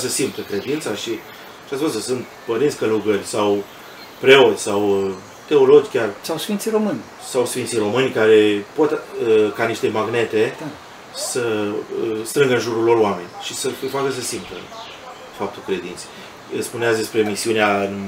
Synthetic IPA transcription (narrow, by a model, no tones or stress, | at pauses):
səsimt̪əkɾe̞d̪int̪saʃi | t͡ʃat̪spusəsɨnt̪ | pəɾintsʲkəluɡərʲsaw | pɾe̞o̞t̪sʲsaw | t̪e̞olo̞d͡ʒkʲarsawsfint̪siɾo̞mɨnʲ | sawsfint̪sijro̞mɨnʲkaɾe̞po̞t̪kaniʃt̪e̞maɡne̞t̪e̞ | sə | st̪ɾɨŋɡəɨnʒuɾulo̞roame̞̰nʲʃisəfifakəs̬əsimt̪ə̰ | fap̚t̪ukɾe̞d̪int̪se̥ | əspuneat̪sʲd̪e̞spɾe̞misiuneaɨn